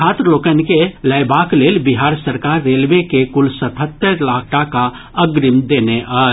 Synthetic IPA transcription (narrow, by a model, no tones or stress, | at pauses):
aːt̪ɾəloːkənkeləɪbakleːlbiɦaːɾsəɾkaːɾːeːlbekekʊlsət̪ʰɦət̪ːəɾlakʰʈaka | əɡɾimd̪eːneʔa